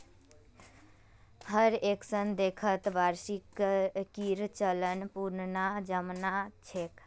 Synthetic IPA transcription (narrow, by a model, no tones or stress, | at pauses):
həɾeksənd̪ekʰət̪ʋaɾsikkiɾt͡ʃələnpuɾnnad͡ʒəmnat͡ʃʰek